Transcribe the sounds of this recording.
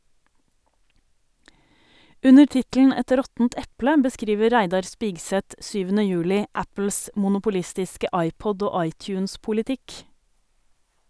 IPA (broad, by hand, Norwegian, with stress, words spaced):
ˈʉnəɾ ˈtɪtl̩n̩ ˈɛt ˈɾɔtn̩t ˈɛplə bəˈskɾiːʋə ˈɾæɪdɑɾ ˈspiːɡsɛt ˈsyːʋənə ˈjʉːlɪ ˈæpl̩s mʊnʊpʊˈlɪstɪskə ˈɑɪˌpɔd ˈoː ˈɑɪˌtjʉːnspʊlɪˌtɪk